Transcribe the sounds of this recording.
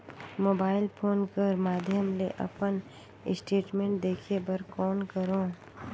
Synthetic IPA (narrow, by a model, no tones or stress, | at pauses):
moːbaːɪlpʰoːnkəɾmaːd̪ʱjəmleʔɐ̰pən | ɪ̰sʈeːʈmẽːɳʈ̚d̪eːkʰebɐɾkɔːnkəɾõː